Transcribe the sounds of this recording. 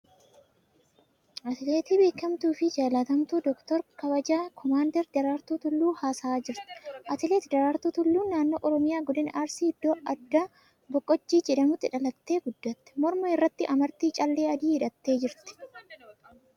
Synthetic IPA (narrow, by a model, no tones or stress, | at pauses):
ʔɐt̪ɪleːt̪iːbe̞ːkːɐmt̪uːfɪd͡ʒaːlaːt̪ɐmt̪uːd̪ɔkt̪ɔɾkɐbɐd͡ʒaːkʰɔmaːnd̪ɛɾd̪ɐɾaːɾt̪uːt̪ʊlːuːhaːsaːd͡ʒɪɾt̪ɪ̥ʔɐt̪ɪleːt̪d̪ɐɾaːɾt̪uːt̪ʊlːuːnːaːnːoːʔɔɾɔmɪjaːɡɔd̪ɪnaːɾsiːhɪd̪ːoːʔɐd̪ːaː | bɔkʼːɔt͡ʃːiːd͡ʒɛᶑɐmʊt̪ːɪᶑɐlɐt̪ːe̞ːɡʊd̪ːɐt̪ːɛ̥mɔɾmɐɪrːɐt̪ːɪʔɐmɐɾt̪iːt͡ʃʼɐlːeːɐd̪iːhɪᶑɐt̪ːe̞ːd͡ʒɪɾt̪ɪ̥